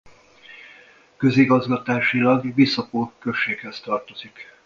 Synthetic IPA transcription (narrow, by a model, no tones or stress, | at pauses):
kø̞ziɡɒzɡɒt̪aːʃilɒɡʋisɒpoːkø̞ʃːeːkhɛst̪ɒrt̪o̞zik